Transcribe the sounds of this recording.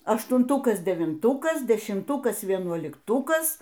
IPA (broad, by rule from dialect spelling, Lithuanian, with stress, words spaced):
ɐʃtʊnˈtʊkɐs dʲɛʋʲɪnˈtʊkɐs dʲɛʃʲɪmˈtʊkɐs ʋʲiɛnuɔlʲɪkˈtʊkɐs